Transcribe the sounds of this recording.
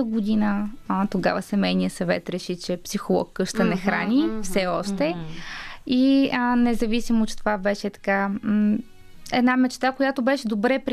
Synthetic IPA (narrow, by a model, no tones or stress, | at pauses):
əɡod̪inət̪oɡa̰vəsɛmɛjnijəsɐvɛ̰t̪ɾɛʃit͡ʃɛpsixolˠɔ̰kːɤʃt̪ənɛxɾa̰nʲifsɛɔʃt̪ɛ | inɛzɐvisimot͡ʃɛt̪ovabɛʃɛt̪ɐ̥ka | ɛd̪namɛt͡ʃt̪akojat̪obɛʃɛd̪obɾɛpɾʲ